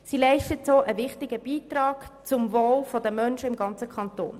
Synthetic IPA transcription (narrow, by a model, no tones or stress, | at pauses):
silɛɪʃtətsoːʔəʋɪχtɪɡ̥əb̥iːtrɑːkt͡sʊmvoːlfɔdəmœnʃəɪmɡɑnt͡səkʰɑnto̰ːn